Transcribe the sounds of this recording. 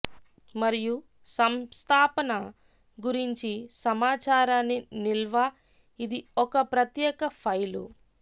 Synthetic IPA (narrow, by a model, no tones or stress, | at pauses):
mɐɾiju | sɐmst̪ʰaːpɐnɐ | ɡuɾiɲt͡ʃisɐmaːt͡ʃaːɾaːnːinilʋa | id̪iɔkɐpɾɐt̪jɛːkɐpʰɐjlṵ